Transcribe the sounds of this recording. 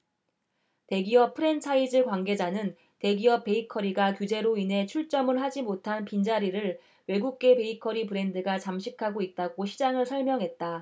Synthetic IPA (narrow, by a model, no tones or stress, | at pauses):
te̞ɡiʌppʰɯɾe̞nt͡ɕʰaid͡ʑɯɭkwanɡe̞d͡ʑanɯn | te̞ɡiʌp̚p͈e̞ikʰʌɾiɡakjud͡ʑe̞ɾoinɦe̞t͡ɕʰuɭt͡ɕ͈ʌmɯɭɦad͡ʑimotʰanpind͡ʑaɾiɾɯɭ | we̞ɡuk̚k͈e̞pe̞ikʰʌɾipɯɾe̞ndɯɡat͡ɕamɕʰikʰaɡoit̚t͈aɡoɕʰid͡ʑaŋɯɭsʰʌɭmjʌŋɦe̞t̚t͈a